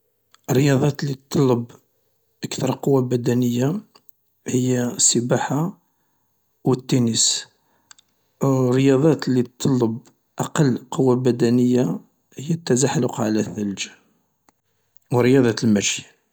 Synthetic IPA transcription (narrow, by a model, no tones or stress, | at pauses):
ərːəjɑd̪ˤɑt̪litt̪ˤːɑlːəb | ʔəkt̪ɑɾˤqowːabæd̪ænəjːa | həjːasːəbaħa | wət̪ːunəs | rːəjɑd̪ˤɑt̪lit̪t̪ʰˤːɑlːəb | ʔɑqɑlːqowːabæd̪ænəjːa | həjːæt̪ːæzaħlʊqʕalæθæld͡ʒa | wəɾəjɑd̪ˤɑt̪lmæʃja